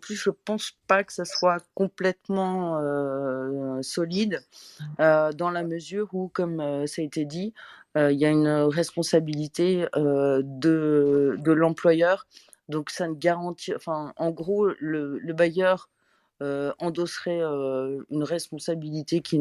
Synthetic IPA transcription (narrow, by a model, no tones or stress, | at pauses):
ɑ̃plysʒəpɑ̃spakə̥saswakɔ̃plɛt̪mɑ̃ø | sɔlid̪ | ød̪ɑ̃laməzyːʁukɔmøsaet̪ed̪iøiljaynʁɛspɔ̃sabilit̪eød̪əd̪əlɑ̃plwajœʁ | d̪ɔ̃ksanɡaʁɑ̃t̪iɑ̃fɛ̃ɑ̃ɡʁolələbajœʁ | øɑ̃d̪ɔsʁɛøynʁɛspɔ̃sabilit̪ekʲʰi